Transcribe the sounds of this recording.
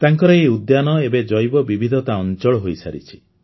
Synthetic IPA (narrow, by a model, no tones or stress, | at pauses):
t̪aŋkɔɾɔeud̪janɔebed͡ʒɔjbɔbibʱid̪ʱɔt̪aɔnt͡ʃɔɭɔɦojsa̰ɾḭt͡ʃʰi̥